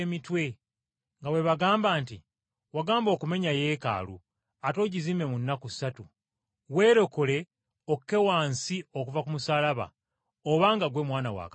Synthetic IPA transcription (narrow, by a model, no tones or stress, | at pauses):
mitwe̞ | ŋɡawe̞βaɡaːmbaːnti | waɡaːmbo̞ːkume̞ɲaje̞ːka̰ːlṵ | ato̞ːɟiziːme̞munːakusatu | we̞ːɾo̞kole̞ | okːe̞waːnsio̞kuvakumusaːlaβa̰ | oβaŋɡaɡwe̞mwaːnawa̰k